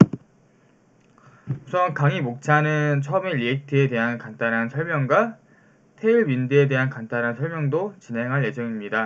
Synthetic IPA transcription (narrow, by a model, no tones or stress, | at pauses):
usʰʌnkaŋimok̚t͡ɕʰanɯnt͡ɕʰʌʌme̞ʎiek̚tʰɯede̞ɦankant͈ʰanɦansʰʌɭmjʌŋɡwa | tʰe̞iɭmindɯede̞ɦankantanɦansʰʌɭmjʌŋdot͡ɕinɦe̞ŋɦaɭje̞d͡ʑʌŋimɲida